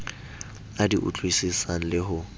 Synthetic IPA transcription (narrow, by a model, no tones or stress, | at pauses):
adiʔṵt͡ɬʼwisisaŋ̩lɪɦʊ